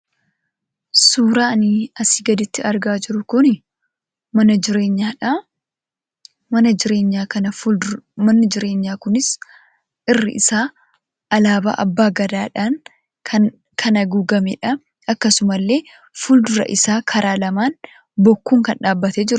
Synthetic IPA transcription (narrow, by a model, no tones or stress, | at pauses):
suːɾaːniɐsiːɡɐd̪ɪt̪ːɪɐɾɡaːd͡ʒɪɾʊkʊnɪ | mɐnɐd͡ʒɪɾe̞ːɲːaːᶑa | mɐnɐɪɾe̞ːɲːaːkɐnɐ | mɐnːɪd͡ʒɪɾe̞ːɲːaːkʊnɪs | ʔɪrːɪ̰ʔɪsaː | ʔɐlaːba̰ːʔɐbːaːɡɐd̪aːᶑaːŋ | kʰ | kʰɐnɐɡuːɡɐmɛ̰ːᶑɐ | ɐkːɐsʊmɐlːe̞ː | fuld̪ʊɾɐ̰ʔɪsaːkʰɐɾaːlɐmaːn | bɔkːuːŋkɐnᶑaːbːɐt̪eːd͡ʒɪɾ